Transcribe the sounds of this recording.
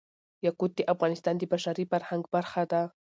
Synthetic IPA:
jakud̪̚d̪eʔafɣɑnɪst̪ɑnd̪əbaʃaɾifaɾhaŋɡbaɾxad̪a

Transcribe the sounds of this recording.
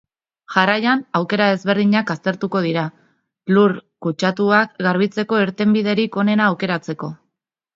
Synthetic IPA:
ʝarajanawke̞ɾae̞zβe̞ɾðiɲakast̪e̞ɾt̪uko̞ð̞iɾa | luɾkut͡ʃat̪uakɡaɾβ̞it͡se̞ko̞eɾt̪e̞mbiðe̞ɾiko̞ne̞naːwke̞ɾat͡se̞ko̞

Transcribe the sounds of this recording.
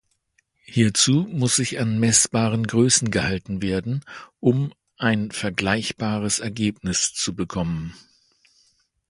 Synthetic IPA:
hiːɐt͡suːmʊsz̥ɪçanmɛsb̥aːʁənɡʁøːsn̩ɡəhaltn̩veːɐdn̩ʔʊm | ʔaɪnfɛɐɡlaɪçb̥aːʁ̞əsɛɐɡeːp̚nɪst͡subəkʰɔmən

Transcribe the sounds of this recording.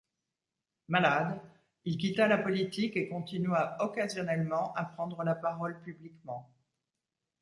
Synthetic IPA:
malad̪ | ilk̬ʲit̪alapɔlit̪ikekɔ̃t̪inɥaɔkazjɔnɛlmɑ̃ʔapχɑ̃d̪ʁəlapaʁɔlpyblikmɑ̃

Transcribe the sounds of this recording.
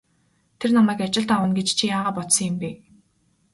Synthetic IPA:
t̪ʰernamæːkat͡ɕɪ̆ɮt̪awə̆nɡet͡ɕt͡ɕʰijaːʁaːpɔt̪sɞ̆ŋjɪmpi

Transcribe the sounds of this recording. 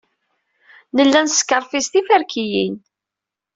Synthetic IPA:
nəlːænsə̥kːəɾˤfist̪ifæɾkʰijin

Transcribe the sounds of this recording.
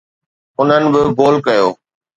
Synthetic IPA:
ʊn̤ənɪ̆bɪɡoːlkɐjoː

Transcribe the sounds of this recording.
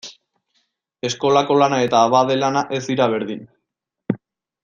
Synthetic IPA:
e̞sko̞lako̞lanae̞t̪aːβaðe̞lanaʔe̞zd̪iɾaβ̞e̞ɾðin

